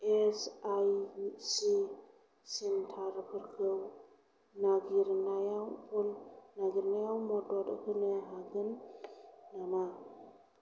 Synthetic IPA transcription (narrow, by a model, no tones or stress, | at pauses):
esajsi | sintʰaɾpʰɯɾkʰɯw | naɡiɾnajawpunːaɡiɾnajawmɔdɔd̰hɯneɦaɡɯnː | ama